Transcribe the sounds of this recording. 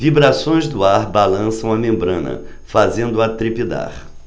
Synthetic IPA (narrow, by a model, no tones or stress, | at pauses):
vibɾasõj̃zd̪ʊaɾbalɐ̃sɐ̃w̃ɐmẽmbɾɐ̃nɐ̰ | fazẽnd̪ʊat̪ɾipid̪a̰ɾ